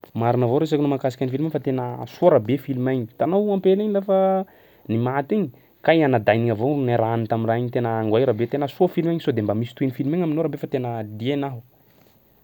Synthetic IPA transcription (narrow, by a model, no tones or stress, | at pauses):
maɾinəvoɾes̬akinomakasikʲanifilimaɲfat̪enəsuaɾabefilumajɲit̪anowampeliɲilafə | nimat̪iɲi | kajanad̪ajniŋavonaɾanit̪aminraiɲit̪enəaŋɡwajɾabet̪enəsuafilumaɲisod̪embamisi̥t̪uenifilumaɲaminoɾabefat̪enəd̪ienaɦu